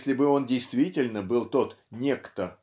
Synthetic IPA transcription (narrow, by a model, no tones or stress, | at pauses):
sʲlʲɪbɨo̞ndʲɪjst̪vʲitʲɪlʲnəbɨlˠt̪o̞t̪nʲekt̪ə